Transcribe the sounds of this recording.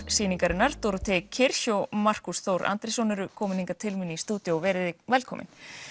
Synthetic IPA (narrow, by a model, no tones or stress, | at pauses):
siːniŋkaɾɪnːaɾ̥t̪oːɾʏt̪ʰɛkʰɪɾ̥çowmar̥kusθowɾʔa̰nt̪ɾɪsɔnʏɾʏkʰɔːmɪniŋkat̪ʰɪlmiːniist̪uːt̪jɔɔvɛːɾɪðɪvɛlkʰɔːmɪ̰n